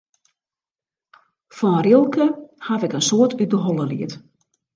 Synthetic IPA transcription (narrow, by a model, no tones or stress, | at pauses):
fɔnrilˠkəhatɛkənsoətʰydəɦɔlˠəliət